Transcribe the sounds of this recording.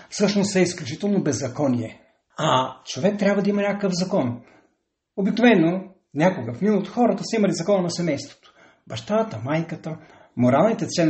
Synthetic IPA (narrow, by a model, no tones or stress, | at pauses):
fsɤʃnosɛisklʲut͡ʃi̥t̪ɛlˠnobɛzːɐkɔniɛ | ɐt͡ʃovɛk̚t̪ɾʲjabvɐd̪ɐimɐnʲakəkəfzɐkɔn | obiknovɛnːo | nʲakoɡəfniot̪xɔɾɐt̪əsɐimɐlizɐkɔnɐnɐsɛmɛjst̪vo̥t̪oʊ̥ | bɐʃt̪at̪əmajkət̪ə | moɾalˠnit̪ɛt̪sɛn